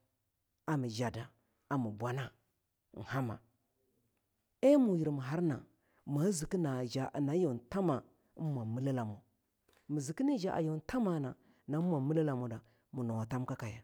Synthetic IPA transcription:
a˨mi˨d͡ʒa˨da˨ | a˨mu˨bwa˨na˦˨ | n̩˨ha˦ma̰˨ | e˦mu˨ji˨ɾmu˨ɦa˦ɾna̰˨ | ma˨˦zi˨ki˦na˨d͡ʒa˨na˨˦jo˨nta˦ma˨˦ | mʷa˨mi˦la˦la˨mo˨ | mi˨zi˨ki˦ne˦d͡ʒa˨ʔa̰˨jo˨nta˦ma˨na˨ | na˦mʷa˨mu˦la˦la˨mo˨da˨ | mu˨no˨wa˨ta˦mka˦ka˨ja˨

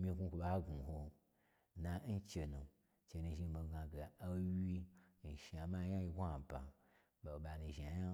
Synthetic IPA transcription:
mʲi˧ɡʷu˦kʷo˨ɓa˦ɡu˨ho˧ | na˨n̩˦t͡ʃe˧nu˨ | t͡ʃe˧nu˧˨ʒi˧˨bo˨ɡa˨ɡe˨a˦wi˧n̩˨ʃi˨a˨ma˦ja˦ji˧ɡʷa˨ba̰˨ | ɓa˨ɓa˨nu˧˨ʒi˨a˨ja˦

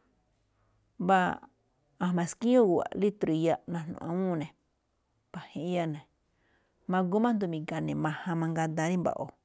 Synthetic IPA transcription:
βa˦ | ã˧˨mã˨skĩ˦õ˦ɣu˨a̰˨li˦t̪ɾu˨˧ja˦nã˧˨nṵ̃˧˨ã˧˦ũ˦˨nẽ˨ | ba˨hẽ˧ʔja˦nẽ˨ | mã˧ɡu˦mã˦nd̪u˧mĩ˨ɡa˨nẽ˨mã˧hã˧mã˧ŋɡa˧d̪ã˧˦nĩ˦mba̰˨ʔo˨

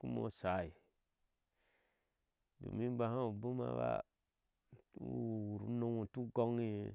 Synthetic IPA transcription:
ku˦mo̰˦sa˨˦˨i˨ | dṵ˨mi˦ba˨hã˦u˨bu˦ma̰˨˦ba̰˦˨ | wu˨ɾu˨˦no˦ŋu˨tu˦ɡo˦ŋi˨

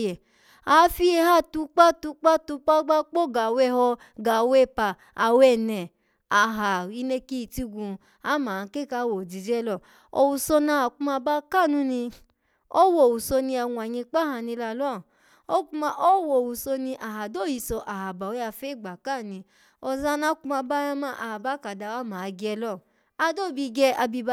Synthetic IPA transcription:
ɛ˨ | a˨˦fi˧˦e˧˦ha˦˨tu˧˦k͡pa˦tu˧˦k͡pa˦tu˧˦k͡pa˦ɡ͡ba˦k͡po˦ɡa˨wɛ˦˧˦hɔ˧ | ɡa˨wɛ˦˨pa˨ | a˨wɛ˨nɛ̃˨ | a˨ɦa˨i˧˦ne˧˦ki˦i˦˨ti˦˧ɡũ˧ | a˨˦mã˨˧ke˦˨ka˧˦˨wo˨d͡ʒi˨d͡ʒɛ˦lɔ˦˨ | o˧wu˧sɔ˧nã˧˦ha˨kũ˧mã˧ba˦ka˦˨nũ˨˦nĩ˧ | o˦wo˨wu˨so˧nĩ˧a˧˨wũ˧˨a˨jĩ˧k͡pa˦hã˧˨nĩ˧la˧˨lɔ˦˨ | o˦ku˦mã˧ʔo˦wo˨wu˨so˧nĩ˧ʔa˨ɦa˨do˦˨ji˧˨sɔ˧ʔa˨ɦa˨ba˨wo˨˦a˧fe˦˨ɡ͡ba˨ka˦˨nĩ˧ | ɔ˧za˧˦nã˦ku˦mã˧ba˦ɾã˦mã˦˧˦ʔa˨ha˨ba˨˦ka˨da˨wa˦mãː˨˦˧ɡɛ˧lɔ˦˨ | a˧˦do˦˨bi˧ɡɛ˧˦a˧bi˧ba˧

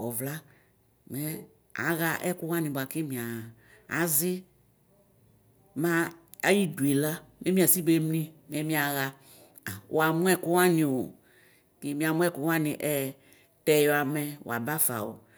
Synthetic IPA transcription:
ɔ˨vla˦ | mɛ˨˦ | a̰˨˦ɣa˦ʔɛ˦ku˦wã˦nĩ˨bo˨a˨ki˦mĩ˨ã˨ | a̰˨zɪ˦ | mãː˦ | ji˦du˨e˨la˦mɛ˦mĩ˦a˨si˦ɡ͡be˦mnĩ˦mɛ˦mĩ˦a˨ɣa˧ | a˨w̰a˨mũ˦ɛ˦ku˦wa˦ɲĩ˨o˨ | ki˦mĩ˨a˨mũ˦ɛ˦˨ku˦wa˦nĩ˨ʔɛ˦ | tɛ˨jɔ˨a˨mɛ˨w̰a˨ba˦fa̰˨wo̰˨

